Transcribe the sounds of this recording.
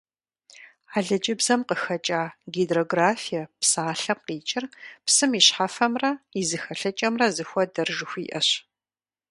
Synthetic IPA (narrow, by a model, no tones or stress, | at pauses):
aːɮɐd͡ʒɪbzɐmqəxɐt͡ʃʼaːɡidroːɡraːfijɐpsaːɬɐp̚qiːt͡ʃʼɪrpsɨmiɕħafɐmrɐizɨxɐɬɐt͡ʃʼɐmrɐzɨxʷɔdɐrʒɨxʷḭːʔɐ̰ɕ